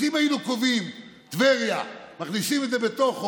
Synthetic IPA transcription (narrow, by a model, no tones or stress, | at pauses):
imajilukovim | t̪veʁjamaχnisimed̪zebet̪o̞χ